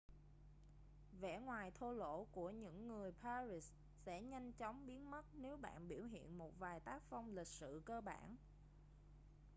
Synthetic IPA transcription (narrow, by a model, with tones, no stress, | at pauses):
vɛ̰˧˥ŋwaː˨˩jt̪ʰo˧lo̰˧˥ku˧˩əɲɨ̰˧˥ŋːɨ˨˩əjpʰaː˧ɾi˨˦˩s | sɛ̰˧˥ɲa˧jŋ̟t͡ɕɔ˨˦wŋ͡mɓi˨˦ənmə˦˥t̚ne˨˦wɓa̰ː˧˨nɓi˧˩əwɦḭ˧˨ənmo˨˩t̚vaː˨˩jt̪aː˦˥k̚fa˧wŋ͡mlï˨˩k̟̚sɨ̰˧˨kəː˧ɓa̰ː˧˩˨n